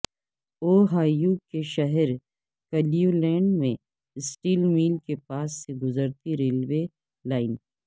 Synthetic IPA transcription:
oːɦaːjukeʃɐɦɛɾ | kɐlijulɛ̃ːɳɖmẽ | sʈiːlmiːlkepaːsːeɡʊzəɾt̪iɾeːlwe | laːɪn

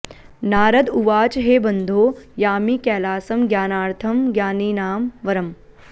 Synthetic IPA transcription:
naːɾɐd̪uʋaːt͡ʃɦeːbɐnd̪ʱoːjaːmiːkɛːlaːsɐmɡʲjaːnaːɾt̪ʰɐmɡjaːniːnaːmʋɐɾɐm

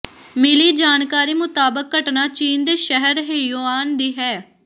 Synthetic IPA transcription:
mɪliːd͡ʒaːnkaːɾiːmʊt̪aːbəkːəʈnaːt͡ʃiːnd̪eːʃɛɦəɾɦeːjoːaːnd̪iːɦɛː

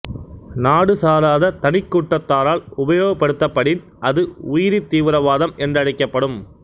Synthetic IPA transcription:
naːɽɯsaːlaːðɐt̪ɐnɪkːuːʈːɐt̪ːaːɾaːlʊbɐjoːɣɐpːɐɽɯt̪ːɐpːɐɽɪn | ʔɐðɯʊjɪɾit̪ːiːʋɪɾɐʋaːðɐmɛndrɐɽɐɪkːɐpːɐɽɯm

